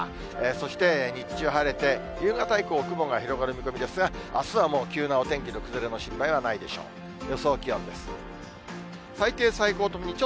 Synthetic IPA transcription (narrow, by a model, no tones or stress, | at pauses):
eso̞ɕi̥t̪e̞ɲ̟it͡ɕt͡ɕɨɦaɾe̞t̪e̞ | jɯ̟ːɡat̪aikoːkɯ̟bo̞ŋɡaçiɾo̞ɡaɾɯ̟mʲiko̞mʲid̪e̞sɨɡaasɨβamo̞ːkʲɨːnao̞t̪ẽ̞ŋkʲiɾɯ̟kɯ̟zɨɾeno̞ɕĩmpaiβ̞anaid̪e̞̰ɕo̞̰ː | jo̞so̞ːkʲijõ̞nd̪e̞sɨ̥ | sait̪e̞ːsaiko̞ːt̪omoɲ̟it͡ɕo